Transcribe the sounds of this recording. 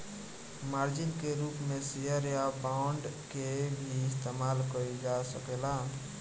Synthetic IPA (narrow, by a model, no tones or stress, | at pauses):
maɾd͡ʒinkeɾupmesijəɾjabaɳɖkebʱiːst̪emalkəid͡ʒasəkela